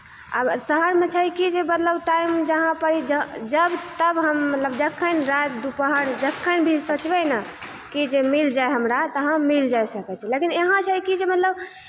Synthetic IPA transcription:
a̰bəɾsəɦəɾmẽt͡ʃʰəjkid͡ʒemət̪ləbʈaimd͡ʒəɦãpəɾid͡ʒd͡ʒəbt̪əbɦəmːət̪ləbd͡ʒəkʰːənɾat̪̚d̪upəɦəɾd͡ʒəkʰːənbʱilsət͡ʃbɛnə | kid͡ʒemild͡ʒaeɦəmɾat̪əɦãmild͡ʒajsəkɛt͡ʃʰɛlekineɦãt͡ʃʰəjkid͡ʒemət̪ləb

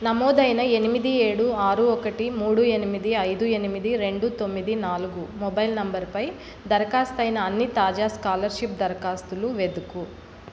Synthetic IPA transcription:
nɐmɔːd̪ɐjnɐe̞nimid̪ieːɽuaːɾuɔkɐʈimuːɽue̞nimid̪iɐjd̪ue̞nimid̪iɾe̞ɳɖut̪o̞mːid̪inaːluɡumɔbɐjlnɐmbɐɾpɐj | d̪ɐɾɐkaːst̪ɐjnɐːnːit̪aːd͡ʒaːskaːlɐɾʃip̚d̪ɐɾɐkaːst̪uluʋe̞d̪uku

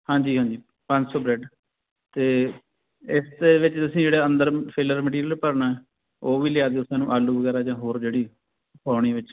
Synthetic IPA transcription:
hãːd͡ʒiːɦãːɲd͡ʒiː | pə̃ɲd͡ʒsɔːbɾɛːɖ | t̪eː | ɪsd̪eːʋɪt͡ʃt̪əsĩːd͡ʒeːɽaːənd̪əɾpʰɪləɾməʈiːɾijəlpəɾnaːɛː | oːʋiːlɪjaːd̪eːʊsãːnũːʔaːluːʋəɡɛːɾaːd͡ʒãːɦoːɾd͡ʒeːɽiː | paːɳ̃iːʋɪt͡ʃ

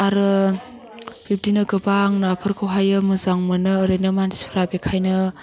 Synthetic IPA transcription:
aɾɯ | pʰip̚ʰtinɯɡɯbaŋnapʰɯɾkʰɯwɦajɯmɯzaŋmɯnɯːɾɯnɯmansipʰɾabekʰajnɯ

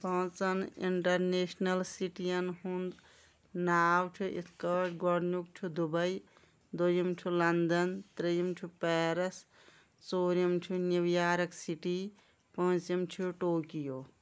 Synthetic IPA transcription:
pɐ̃ːt͡sɐnḭɳʈɐɾneːsnɐlsiʈijɐnhund̪ | naːwʈʰuʔit̪ʰkɐʈɡɔɽnuk̚t͡ʃʰud̪ubɐj | d̪ujimt͡ʃʰulɐnd̪ɐnt̪ɾijimt͡ʃʰupɛːɾɐs | t͡soːɾimt͡ʃʰuniʋjaːɾɐksiʈi | pɐ̃ːt͡ʃimt͡ʃʰuʈoːkijoː

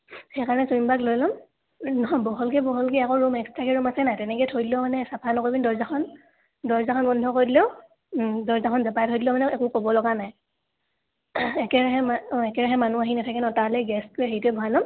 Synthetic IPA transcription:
xɛjkaɹɔnɛsɔimbaklojlɔm | nɔɦɔbɔɦɔlkɛbɔɦɔlkɛakɔɹumɛkstɹakɛɹumasɛnajtɛnɛkɛtʰojdilɛʊmanɛsapʰanɔkoɹbindɔɹzaxʰɔn | dɔɹzakʰɔnbɔndʱɔkoɹidilɛʊ | dɔɹzaxʰɔnzapajtʰojdilɛʊmanɛɛkukobɔlɔɡanaj | ɛkɛɹaɦɛmɛkɛɹaɦɛmanuaɦinatʰakɛnɔtalɛɡɛst̚koɛɦejtuɛbʱɔɦalɔm

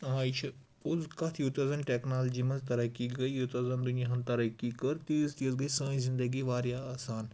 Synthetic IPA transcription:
aːjt͡ʃʰ | ʊzkɐt̪ʰjut̪ɐzɐmʈeːknaːld͡ʒimɐ̃nzt̪ɐɾɐkːiɡɐijut̪ɐzɐmd̪ʊnjaɦɐ̃nt̪ɐɾɐkːikɐɾt̪iːst̪iəzɡɐisɐ̃ːĩzɪ̃nd̪əɡiʋaːɾjaːaːsaːn

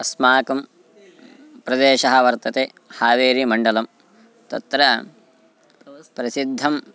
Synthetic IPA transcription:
ɐsmaːkɐm | pɾɐd̪eːʃɐɦɐʋɐɾt̪ɐt̪eː | haːʋeːɾimɐɳɖɐlɐm | t̪ɐ̰t̪ɾɐ | pɾɐsid̪ʱːɐm

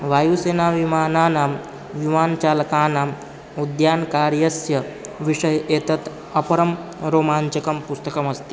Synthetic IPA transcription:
ʋajuːseːnaʋimaːnaːnaːm | ʋimaːnt͡ʃaːlkaːnaːm | ud̪jaːnkaːɾjɐsjɐʋiʂɐjeːt̪ɐt̪ | ɐpɐɾɐmɾoːmaːɲt͡ʃɐkɐmpust̪ɐkɐmɐst̪i̥

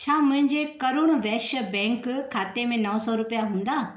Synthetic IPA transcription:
t͡ɕʰaːmʊ̃ɦɪ̃ɲd͡ʑekɐɾʊɽ̃ʋɛːʃəbɛ̃ːŋkʰːaːt̪emẽnɐʋsɔɾʊpijaɦũːnd̪aː

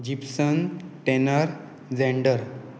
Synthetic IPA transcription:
d͡ʑipsənʈenəɾ | d͡zɛ̃ɳɖəɾ

